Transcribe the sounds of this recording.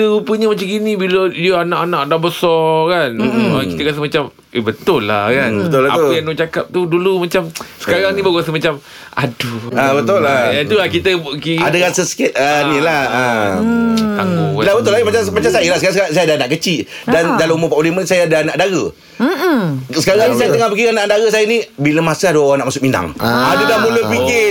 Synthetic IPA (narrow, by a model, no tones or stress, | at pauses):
t̪əɾupəɲamat͡ʃamɡinĩbiləiəanãʔanãʔadabəsɔkanakit̪əkas̬əmat͡ʃam | ʔebət̪ʊlːahkanbəla̰pəjaŋnuʔt͡ʃakap̚t̪udulumat͡ʃamsə̥kaɾaŋnĩbaɡuas̬əmat͡ʃam | a̰duabət̪olːaat̪ulakit̪əkiadaɣasəsə̥kɪt̪̚ənĩlaə | t̪aolabət̪ʊlamat͡ʃamat͡ʃamsajəlahsəkaɾasas̬ajadahnaʔkət͡ʃiʔdandalammʊpaʔolimənsajaadahnaʔdaɣə | sə̥kaɾaŋnisajat̪əŋahpəkiɣanaʔdaɣəsajanĩbiləmasəadaoɣaŋnaʔmasʊk̚mina̰ŋadadahmũləpiɡɪ